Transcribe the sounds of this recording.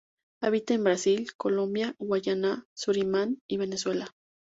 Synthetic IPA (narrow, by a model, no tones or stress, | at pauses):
aβit̪eːmbɾasilkolombjawajanasuɾimaniβeneswela